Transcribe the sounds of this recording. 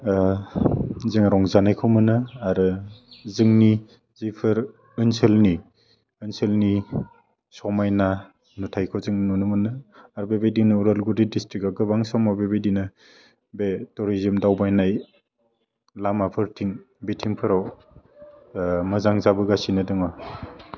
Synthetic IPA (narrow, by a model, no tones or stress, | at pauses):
zɯŋɾɔŋzanajkʰɯwmɯnɯaɾɯzɯŋni | zipʰɯɾ | ɯnselni | ɯnselni | sɔmajna | nutʰajkʰɔzɯŋnunɯmɯnɯaɾbebejdinɯuɾalɡudidistɾikaɡɯbaŋsɔmawbebejdinɯ | betɔɾizimdawbajnaj | lamapʰɯɾtʰiŋ | bitʰiŋpʰɯɾaw | mɯzaŋzabɯɡasinɯdɯŋa